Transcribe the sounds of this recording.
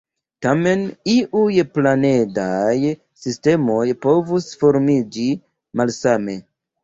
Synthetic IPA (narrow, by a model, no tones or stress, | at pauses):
tame̞niʔujplane̞daj | siste̞mo̞jpo̞vusfo̞ɾmid͡ʒi | malsame̞